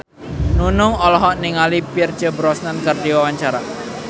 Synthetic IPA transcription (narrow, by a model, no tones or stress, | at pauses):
nunʊŋɔlɔɦɔʔniŋalipirt͡ʃəbɾɔsnankərdiwawaɲt͡ʃaɾa